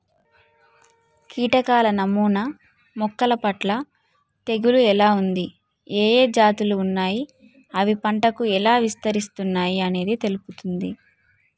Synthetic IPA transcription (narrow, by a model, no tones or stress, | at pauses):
kiːʈɐkaːlɐnɐmuːnɐ | mɔkːɐlɐpɐʈlɐ | t̪e̞ɡuluɛlaːund̪i | eːjeːd͡ʒaːt̪uluːnːaːji | ɐʋipɐɳʈɐkuɛlaːʋist̪ɐɾist̪unːaːjiɐne̞ːd̪it̪e̞luput̪und̪i